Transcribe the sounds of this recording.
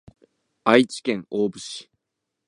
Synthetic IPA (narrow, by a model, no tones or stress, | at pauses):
ait͡ɕi̥kẽ̞ŋoːbɯ̟ɕi̥